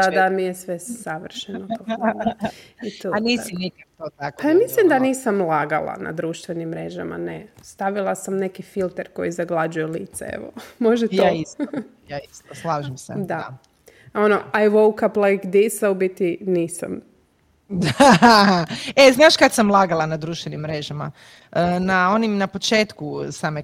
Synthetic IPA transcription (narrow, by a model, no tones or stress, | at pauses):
d̪ad̪amijesʋesaʋr̩ʃenoo | it̪oaniːsinikakt̪ot̪akpajamislimd̪aniːsamlˠaɡalˠa̰na̰d̪ɾuːʃt̪ʋenimːɾe̞ʒa̰ma̰nest̪aʋilˠasamne̞kifilˠt̪eɾko̞̰jizaɡlˠad͡ʒujelḭːt̪sḛḛʋo̰mo̞ʒej̪aisjaist̪oslˠaːʒemsḛd̪a | onoajʋowkaplajkd̪isaubit̪iniːsa̰m | d̪a | eznaːʃkat̪samlˠaːɡalˠanad̪ɾuːʃt̪ʋenimːɾeʒama | ənao̞nimnapot͡ʃe̞ːt̪kusame